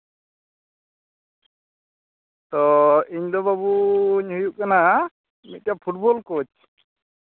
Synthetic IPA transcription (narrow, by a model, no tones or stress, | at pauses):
t̪ɔiɲd̪ɔbabuɲɦujuʔkana | mḭt̪̚tjapʰuʈbɔlkot͡ʃ